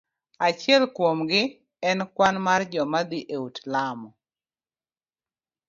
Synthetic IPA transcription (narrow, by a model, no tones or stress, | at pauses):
at͡ʃɪɛlkwomɡɪ | ɛnkwanmard͡ʒɔmad̪ɪʔeutlamɔ